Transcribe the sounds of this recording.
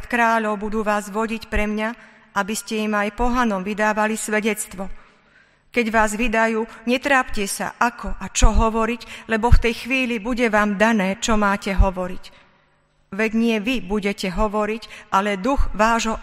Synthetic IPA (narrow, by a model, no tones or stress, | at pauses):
t̪kɾaːʎɔʊbud̪uːʋaːzʋɔɟicpɾɛmɲa | abiscɛimajpɔɦanɔmʋid̪aːʋalisʋɛɟɛt͡st̪ʋɔ | kɛɟʋaːzʋid̪ajuːɲɛt̪ɾaːpcɛsa̰ʔakʰɔʔat͡ʃɔɦɔʋɔɾiɟlɛbɔft̪ɛjxʋiːlibuɟɛʋaːmd̪anɛːt͡ʃɔmaːcɛɦɔʋɔɾic | ʋɛɟɲɪɛʋibuɟɛcɛɦɔʋɔɾicʔalɛd̪uɣʋaːʒɦɔ